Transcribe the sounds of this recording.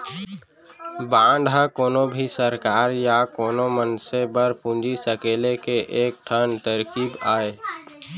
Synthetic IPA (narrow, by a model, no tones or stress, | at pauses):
bãːɳɖʱɦakoːnobʱisəɾkaːɾjakoːnomənsebəɾpũnd͡ʒisəkeːlekeʔeːk̚ʈʰənt̪əɾkiːbaːe